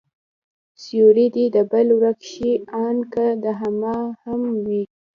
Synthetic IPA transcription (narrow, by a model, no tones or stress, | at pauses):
sijoɾid̪id̪əbəlwɾakʃiɑnkad̪əɦamɑhamwi